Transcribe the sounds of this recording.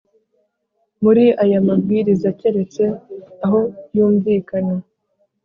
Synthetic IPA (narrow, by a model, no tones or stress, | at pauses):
muɾiʔajamab̚ɡiːɾizace̞ɾe̞t͡se̞aɦo̞juːmviːkana